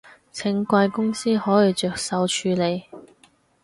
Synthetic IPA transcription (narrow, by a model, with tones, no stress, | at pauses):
t͡sʰɪ˨˥ŋkʷɐ˧jkʊ˥ŋsiː˥hɔː˨˥ji˨˧t͡ʃœː˨˩k̚sɐ˨wt͡ʃʰyː˨˧le˨˧j